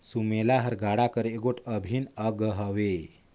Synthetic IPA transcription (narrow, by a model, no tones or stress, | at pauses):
sumelaɦəɾɡaɽakəɾeɡoʈʰəbʱinəɡəɦəʋe